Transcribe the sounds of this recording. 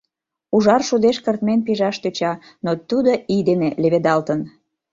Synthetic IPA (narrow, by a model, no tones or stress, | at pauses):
uʒɑrʃud̪eʃkərt̪menpiʒɑʃt̪øt͡ɕɑ | not̪ud̪oid̪eneleβed̪ɑlt̪ən